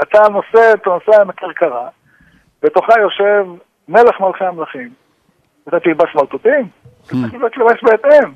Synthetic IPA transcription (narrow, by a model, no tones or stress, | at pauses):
at̪ano̞set̪anosemakiʁkaʁa | b̥et̪o̞χajo̞ʃe̞v | ne̞leχmalχeamlaχim | at̪at̪ilbasmat̪ot̪im | t̪at͡sʁiχliot̪lemesbeːt̪em